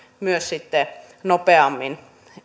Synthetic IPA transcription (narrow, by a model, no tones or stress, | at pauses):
myøssit̪ːe | nopeɑmːin